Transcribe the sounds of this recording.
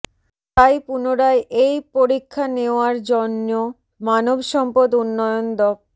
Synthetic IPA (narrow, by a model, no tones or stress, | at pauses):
t̪ajpunoɾaeʔejpoɾikʰːaneoaɾd͡ʑɔnːo | manobʃɔmpod̪unːɔjond̪ɔp̚